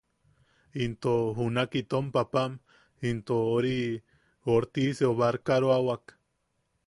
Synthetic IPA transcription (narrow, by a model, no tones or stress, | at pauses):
int̪oɦunakit̪ompapam | int̪ooɾi | oɾt̪iseoβaɾkaɾoawak